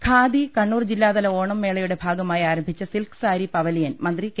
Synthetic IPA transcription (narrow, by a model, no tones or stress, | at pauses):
kʰaːd̪ikɐɳːuːrd͡ʑilːaːðɐlɐo̞ːɳɐmːeːɭɐjuɽe̞bʱaːɡɐmaːjaːɾɐmbʱit͡ɕːɐsilkɨ̥saːɾipɐʋɐlijɐnmɐnd̪rik